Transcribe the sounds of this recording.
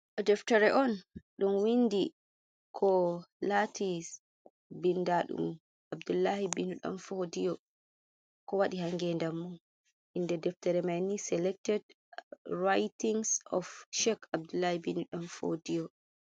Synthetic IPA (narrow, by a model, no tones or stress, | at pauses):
ɗɔdɛftaɾɛʔɔnɗunwindi | kʰɔlatʰi | bindaɗṵm | abdulːahibinuɗɔ̰nfodijɔ | kɔwaɗihaŋɡɛndamːun | ʔindɛdɛftaɾɛmajnisɛlɛk̚tɛd | ɹajtiŋsɔ̰fʃɛkab̚dulːahibinuɗɔnfo̰dijɔ